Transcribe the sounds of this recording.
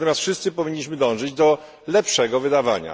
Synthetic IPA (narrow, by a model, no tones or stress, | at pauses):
t̪ɔmʲjast̪fʂɘst̪sɘpɔvʲiɲːiɕmɘd̪ɔ̃w̃ʐɘd͡ʑd̪ɔ | lɛpʂɛɡɔvɘd̪ava̰ɲa̰